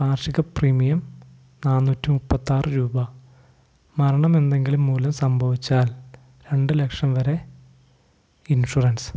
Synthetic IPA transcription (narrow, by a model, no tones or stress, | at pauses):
paːrʂiɣɐpriːmijɐm | naːnːuːtːimupːɐt̪ːaːrɨɾuːbɐ | mɐɾɐɳɐme̞nd̪e̞ŋɡilumːuːlɐmsɐmbʱɐʋit͡ɕːaːl | ɾe̞ɳɖɨle̞kʂɐmʋɐɾe̞ | inʂurɐns